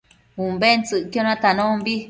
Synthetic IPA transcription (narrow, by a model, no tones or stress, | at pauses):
ũmbent͡sɨʔkjonãt̪anõmbi